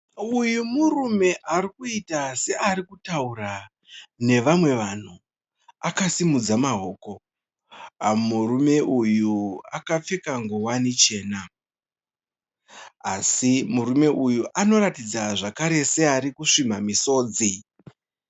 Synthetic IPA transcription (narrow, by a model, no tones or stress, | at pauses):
ujumurume̞ʔarikuitase̞ʔaɾikutaura | ne̞ʋamwe̞ʋan̤u | akasimud͡zamaɦoːko̞ | amurume̞ʔujua̰kap͡fe̞kaŋɡowanit͡ʃe̞ːna | asimuɾume̞ʔujuʔano̞ɾatid͡zaʐakaɾe̞se̞aɾikuʂimamiso̞ːd͡zi